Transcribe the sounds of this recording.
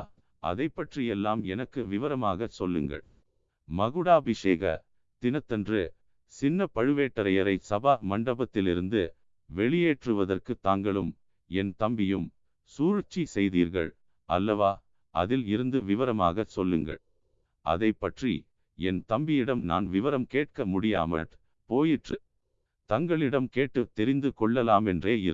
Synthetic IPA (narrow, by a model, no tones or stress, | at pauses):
ʔɐ̰ðɐɪpːɐʈrijɛlːaːmɛnɐkːɯʋɪʋɐɾɐmaːɣɐsɔlːɯ̰ŋɡɐ̰ɭ | mɐɣɯɽaːbɪʂeːɣɐ̰ | t̪ɪnɐt̪ːɛndrɯ | sɪnːɐpɐɻɯʋeːʈːɐɾɐjɐɾɐɪsɐbaːmɐɳɖɐbɐt̪ːɪlɪɾɯnd̪ɯ | ʋɛɭɪjeːʈrɯʋɐðɐrkɯt̪ːaːŋɡɐɭɯm | ɛnt̪ɐmbɪjɯm | suːɾɯt͡ʃːisɛjðiːɾɣɐ̰ɭ | ʔɐ̰lːɐʋaː | ʔɐ̰ðɪlɪɾɯnd̪ɯʋɪʋɐɾɐma̰ːɣɐsɔlːɯŋɡɐ̰ɭ | ʔɐ̰ðɐɪpːɐʈrḭ | ɛnt̪ɐmbɪjɪɽɐmna̰ːnʋɪʋɐɾɐmkeːʈ̚kɐmʊɽɪja̰ːmɐ̰ | poːjɪʈrɯ | t̪ɐŋɡɐɭɪɽɐmkeːʈːɯt̪ːɛɾɪnd̪ɯkɔɭːɐlaːmɛndreːɪ̰ɾ